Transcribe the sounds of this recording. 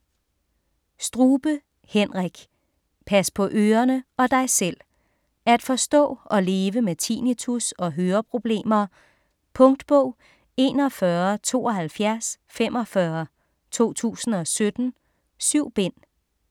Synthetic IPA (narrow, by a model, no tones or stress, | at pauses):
sd̥ʁuːb̥ə | hen̰ʁɛɡ̥ | pʰæspʰɒ̽ʔøːɐnəɒ̽d̥ɑ̈ɪsel̰ | ææd̥fɒ̽sd̥ɔ̰ːɒ̽le̝ːʋəmet͡sʰiːnit͡sʰusɒ̽ɦøːɐpʰʁo̝b̥le̝̰ːmɐ | pʰɔ̽ŋd̥b̥ɔ̽ʊ̰ | e̝̰ːnɒfɶɐt͡sʰo̝̰ːɒ̽ɦælfjæɐs | fem̰ʔɒ̽fɶɐ | t͡sʰo̝̰ːt͡sʰṵːsn̩ɒ̽sød̥n̩ | syʊ̰b̥en̰